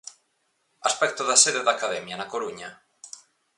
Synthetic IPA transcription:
aspɛk̚t̪oðaseðeðakaðɛmjanakoɾuɲa

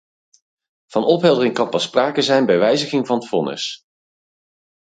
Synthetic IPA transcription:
v̥ɑnɔpɦɛlˠdərɪŋkɑnpɑspraːkəzɛjnbɛjʋɛjzəχɪŋvɑnfɔnə̰s

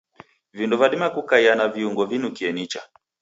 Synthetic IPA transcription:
vindɔvaɗimakukaianaviuŋɡɔvinukiɛnit͡ʃa̰

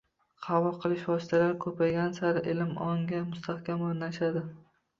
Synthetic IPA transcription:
qʰɑvʊlˠqʰɨlˠɪʃvɒsɪ̥t̪ʰalaɾkʰɵpʰajɡʲansaɾɪʔelɪmɒŋɡʲamʊst̪ʰahkʲamʊɾnaʃad̪ɪ

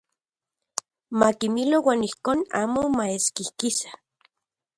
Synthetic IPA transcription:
makimilowaːnihkoːna̰ːmomaeskihkisḁ

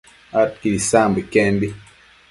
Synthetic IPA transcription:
at̚kilisambekɛmbi

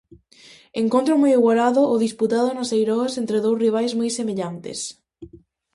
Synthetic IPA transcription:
eŋkõnt̪ɾomojiɣwalaðʊʔːðisput̪að̞onosejɾɔsent̪ɾeðowsriβ̞ajzmojsemeʎant̪ḛs

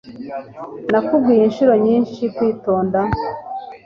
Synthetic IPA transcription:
nakub̚ɡiːjinʃuɾo̞ɲiːnʃikwiːto̞ːnda

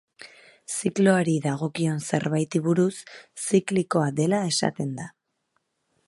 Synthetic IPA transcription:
sikloaɾiðaɣ̞o̞kio̞nse̞̰ɾβajt̪iβuɾusːikliko̞aðe̞lae̞sa̰t̪e̞nd̪a

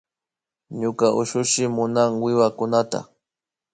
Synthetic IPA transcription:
ɲʊkaʔʊʃʊʃɪmʊnaŋwɪwakʊnat̪a̰

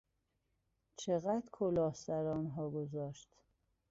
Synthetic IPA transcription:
t͡ʃʰeɣæd̪kʰolɒːhsæɾɒːnɦɒːɡozɒːʃt̪

